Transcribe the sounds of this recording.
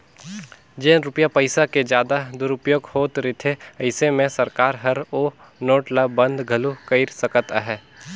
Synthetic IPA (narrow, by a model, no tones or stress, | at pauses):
d͡ʒẽːɾʊpjapɐɪsaked͡ʒjaːd̪ad̪ʊɾʊpjoːɡhoːt̪ɾɪt̪ʰeɐɪsemẽsɐɾkaːɾɦɐɾoː | noːʈlabɐ̃nd̪ɡʱɐlukəɪɾsɐkət̪aɦɛː